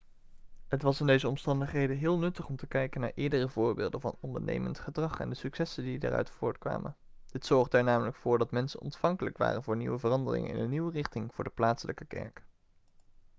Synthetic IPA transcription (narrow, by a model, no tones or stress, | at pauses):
ɦətʋɑsɪndejzəɔmstɑndəχɦejdənɦɪːlˠnɵtəχɔmtəkɛjkənaːɹʔɪːɹdərəvʊːɹbɪ̰ːlˠdə̰nvɑnɔndəɹnḛjməntχədrɑχɛ̰ndəsyksɛsəndida̰ːrœ̰ɥtfʊːɹtkʋa̰ːmə̰n | d̥ɪtsɔɹχdɛɹnaːmələkfʊːɹdɑtmɛnsənɔ̰ntfɑŋkələkʋa̰ːrənvʊːɹniwəvərɑndərɪ̰ŋə̰ɪ̰nənːiwərɪχtɪŋv̥ʊːɹdəplaːtsələkəkɛ̰ɹk